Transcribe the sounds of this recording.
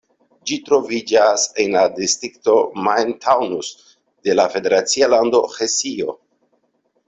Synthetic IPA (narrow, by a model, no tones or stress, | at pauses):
d͡ʒitɾo̞vid͡ʒase̞nladistɾikto̞majntʰawnus | de̞lafe̞de̞ɾat͡sialando̞xesio̞